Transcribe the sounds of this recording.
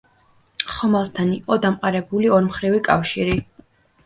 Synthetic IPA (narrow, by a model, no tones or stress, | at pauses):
χɔmalˠt̪ʰaniqʼɔd̪amqʼaɾɛbuliɔɾmχɾivikʼafʃiɾi